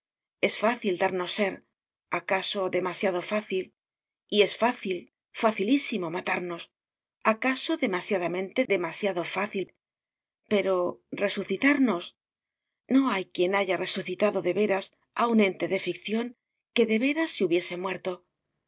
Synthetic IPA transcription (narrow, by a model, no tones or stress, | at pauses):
e̞sfaθild̪aɾno̞sːe̞ɾ | akaso̞ðe̞masjaðo̞faθil | ie̞sfaθil | faθilisimo̞mat̪aɾno̞s | akaso̞ðe̞masjaðamẽ̞nt̪e̞ðe̞masjaðo̞faθil | pe̞ɾo̞re̞suθit̪aɾno̞s | no̞ajkje̞naʝare̞suθit̪aðo̞ðe̞βe̞ɾas | aunẽ̞nt̪e̞ðe̞fikθjo̞ŋ | ke̞ðe̞βe̞ɾaseuβje̞se̞mwe̞ɾt̪o̞